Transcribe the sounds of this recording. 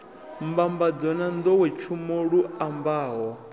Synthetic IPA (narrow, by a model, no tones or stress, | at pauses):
mbambad͡zɔnand̪ɔwɛt͡ʃʰumoɺuambaːɦɔ